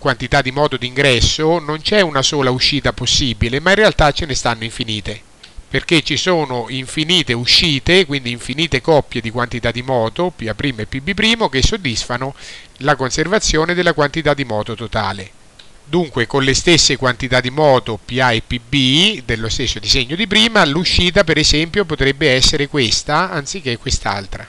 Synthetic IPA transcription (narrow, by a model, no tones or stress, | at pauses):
kwant̪it̪ad̪ːimɔːt̪od̪iŋɡɾɛsːonont͡ʃɛunasoːlauʃːiːt̪aposːiːbilemainrealt̪at͡ʃːenest̪anːoiɱfiniːt̪e | perk̟et͡ʃːisoːnoiɱfiniːt̪euʃːiːt̪ekwind̪iːɱfiniːt̪ekɔpːjed̪ikwant̪it̪ad̪ːimɔːt̪opiapːɾiːmoepːibːipːɾiːmok̟esːod̪ːisfano | lakonservat̪sːjoːned̪elːakwant̪it̪ad̪ːimɔːt̪ot̪ot̪a̰ːle | d̪uŋkwekonlest̪esːekwant̪it̪ad̪ːimɔːt̪opiaepːibid̪elːost̪esːod̪izeɲːod̪ip̬ɾiːmaluʃːiːt̪apeɾezɛmpjopot̪ɾɛbːeɛsːeɾekwest̪aant̪sik̟ːekːwest̪a̰lt̪ɾa